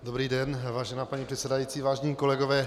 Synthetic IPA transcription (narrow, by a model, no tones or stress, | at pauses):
dobɾiːdɛnvaːʒɛnaːpaɲipr̥ɛt̪sɛdajiːt͡siːvaːʒɲiːkolɛɡovɛː